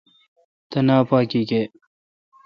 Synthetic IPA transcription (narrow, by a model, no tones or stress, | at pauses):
t̪ɐnaːpaːkiːkeː